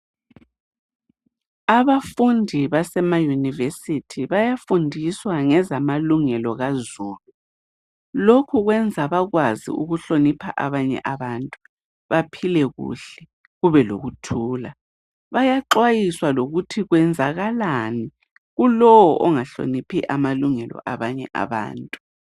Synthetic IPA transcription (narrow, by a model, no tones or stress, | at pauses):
aβafundʱiβasɛmajunivesitʰiβajafundʱiswaŋɛzamaluŋɛlɔɣazuːlu | lokʰuɣwɛnd͡zʱaβaɣwazḭuɣuɬonipʰa̰ʔa̰βaɲɛ̰ʔaβantʼu | βapʰilɛɣṵɬɛ | ɣuβɛlo̰ɣutʰuːla | βajaǁwajiswaloɣutʰiɣwɛnd͡zʱaɣalani | ɣulɔwɔʔɔŋaɬo̰nipʰiʔamaluŋɛlɔ̰ʔaβaɲɛ̰ʔa̰βa̰ːntʼu